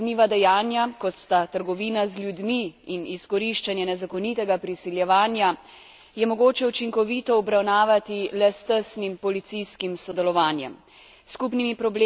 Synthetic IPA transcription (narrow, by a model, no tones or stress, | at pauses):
niːʋad̪ɛjaːnjakɔt̪st̪at̪əɾɡɔʋiːnazlʲjud̪miiniskɔɾiʃt͡ʃanjɛnɛzakɔnit̪ɛɡapɾisiljɛʋaːnja | jɛmɔɡoːt͡ʃɛut͡ʃiŋkɔʋiːt̪ɔːbɾawnaːʋat̪ilɛst̪əsnimpɔlit̪sijskimsɔd̪ɛlɔʋaːnjɛ̰m | skupnimipɾɔble